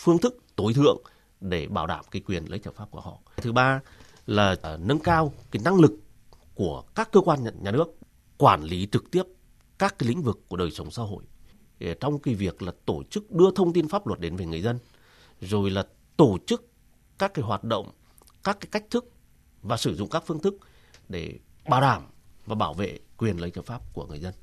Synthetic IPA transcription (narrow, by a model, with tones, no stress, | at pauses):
fɨ˧əŋt̪ʰɨ˦˥k̚t̪o˨˦jt̪ʰɨ̰˧˨əŋ | ɗe˧˩ɓaː˧˩wɗa̰ː˧˩mki˨˦jkwi˨˩ənlə̰˨˦jt͡ɕəː˧˩faː˦˥p̚ku˧˩əhɔ̰˧˨ʔjt̪ʰɨ˨˦ɓaː˧ | laː˨˩nə˧nkaː˧wka˨˦na˧ŋlɨ˨˩kː | u˧˩əkaː˦˥kːəː˧kwaː˧nɲaː˨˩nɨ˦˥ək̚ | kwaː˧˩nli˨˦t͡ɕɨ˨˩k̚t̪i˦˥əp̚ | kaː˦˥kːaː˨˦lḭ̈˧˥ŋ̟vɨ˨˩kːu˧˩ɗəː˨˩jsə˨˦wŋ͡msaː˧ɦo̰˧˨j | t͡ɕɔ˧wŋ͡mki˨˦vi˨˩ək̚laː˨˩t̪o˧˩t͡ɕɨ˦˥k̚ɗɨ˧ət̪ʰə˧wŋ͡mt̪i˧nfaː˦˥p̚lwə˨˩t̚ɗe˨˦nve˨˩ŋɨ˨˩əzə˧n | zo˨˩jlaː˨˩ | t̪o˧˩t͡ɕɨ˦˥k | kaː˦˥kːaː˨˦jɦwaː˨˩t̚ɗo̰˧˨wŋ͡m | kaː˦˥kːaː˨˦jka˦˥jk̟̚t̪ʰɨ˦˥k̚ | vaː˨˩sɨ˧˩zʊ̰˧˨ŋ͡mkaː˦˥kfɨ˧əŋt̪ʰɨ˦˥k̚ | ɗe˧˩ɓaː˧˩wɗa̰ː˧˩mvaː˨˩ɓaː˧˩wvḛ˧˨kwi˨˩ənlə˨˦t͡ɕə˧˩faː˦˥p̚ku˧˩əŋɨ˨˩əjzə˧n